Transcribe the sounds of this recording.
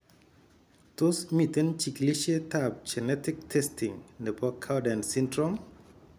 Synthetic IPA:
tʊ˦smi˨te˦nt͡ʃi˨kli˦ʃe˦tap̚d͡ʒɛ˨nɛ˦tɪ˦k̚tʰɛstʰi˨ŋnɛ˨bɔ˦kʰːa˦dɛ˨nsi˦ndɾɔm

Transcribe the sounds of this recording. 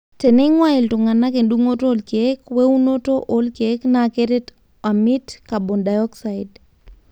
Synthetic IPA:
te˨nɛ˦ŋwai˨ltʊ˨ŋa˨na˦ke˨nduŋo˦tolkekwe˦u˦noto˦ʔo˦lkeknakeɾet | a˨mitka˨bo˨nda˨jɔksa˨id

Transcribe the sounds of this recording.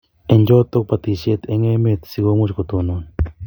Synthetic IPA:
ɛ˨ɲd͡ʒɔ˦t̪ːo˦k̚pa˨t̪i˨ʃe˦t̪e˦ŋe˦me˨t̪si˦ɡo˦mo˦t͡ʃko˨t̪o˨no˨n

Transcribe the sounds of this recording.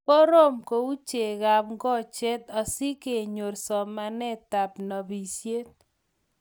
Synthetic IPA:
ko˦ɾo˦mko˨u˦t͡ʃe˨ɣa˨pŋɡɔ˦˨t͡ʃe˦t̪ɔ˨si˦ke˨ɲo˨rsɔ˨ma˨nɛ˦ta˨pnɔ˨bi˨sje˦t̪̚

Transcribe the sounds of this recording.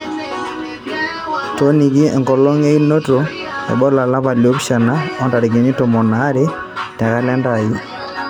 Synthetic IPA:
to˦ni˨ɡi˦ɛ̰˨ŋɡɔ˨lɔ˦ŋe˦i˦no˦to˨ | ɛ̰˨bɔ˦la˨la˦ba˨lo˦pʃa˨na˦ɔ˦nda˨ɾɪ˨ɡi˨ni˦tɔ˨mɔ˨na˨˦ɾɛ˦ | tɛ˨ka˦lɛ˦nda˨ji˦

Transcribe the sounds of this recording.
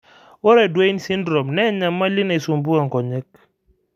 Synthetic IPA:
wɔ˦ɾɛ˨dwe˦i˦nsi˦ndɾɔ˨mnɛ˦ɲa˨mːa˦li˦na˨i˨su˨mbu˦a˨ŋkɔ˨ɲɛ˦k̚

